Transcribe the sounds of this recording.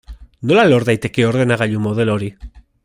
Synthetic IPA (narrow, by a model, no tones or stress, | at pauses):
no̞lalo̞ɾðajt̪e̞ke̞o̞ɾðe̞naɣaʎumo̞ð̞e̞lo̞ɾi